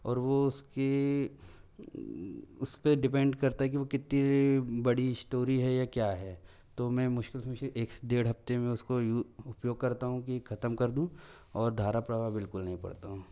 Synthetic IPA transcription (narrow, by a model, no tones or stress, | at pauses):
ɔːɾʋoʊske | ʊspeɖɪp̬ɛ̃ɳɖkɐɾt̪aɦɛk̬iʋokɪt̪nibɐɽisʈoːɾiɦɛjakjaːɦɛː | t̪omɛ̃ːmʊʃkɪlsɐmɪʃʔeːksd̪eːɽɦɐft̪emẽʊskojuʊpjoːɡ̚kɐɾt̪aɦũkikʰɐt̪əmkɐɾd̪ũ | ɔːɾd̪ʱaːɾapɾaːʋabɪlkʊlnɐɦĩpɐ̰ɽt̪aɦũː